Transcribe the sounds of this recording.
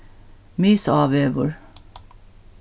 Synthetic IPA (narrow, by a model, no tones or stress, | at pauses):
myːsɑːʋeːʋəɹ